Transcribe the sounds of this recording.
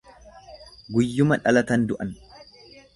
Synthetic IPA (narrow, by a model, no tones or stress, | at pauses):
ɡʊjːʊmɐᶑɐlɐt̪ɐnd̪ʊʔɐn